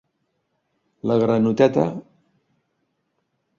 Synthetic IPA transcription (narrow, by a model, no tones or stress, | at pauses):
ləɣɾanut̪ɛt̪ə